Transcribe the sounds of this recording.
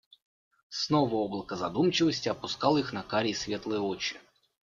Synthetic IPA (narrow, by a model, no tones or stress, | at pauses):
snovəoblˠəkəzɐd̪umt͡ɕɪvəsʲtʲɪɐpʊskɑlˠixnɐkaɾʲɪsʲvʲe̞t̪lˠəjəot͡ɕɪ